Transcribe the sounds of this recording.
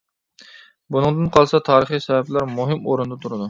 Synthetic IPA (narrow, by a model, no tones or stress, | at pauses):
bunɨŋd̪ɨnqʰɑlˠsɑt̪ʰɑːɾəχisɛvɛplɑɾmuɦɪmoɾund̪ɑt̪ʰuɾɨd̪u